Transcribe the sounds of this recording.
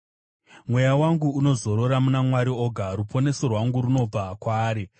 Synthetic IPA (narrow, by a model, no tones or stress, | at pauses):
mwe̞jawaŋɡuːno̞zo̞ɾo̞ɾamunamwaɾio̞ɡʱaɾupʰo̞ne̞sorwaŋɡuɾuno̞b͡vakwaːɾi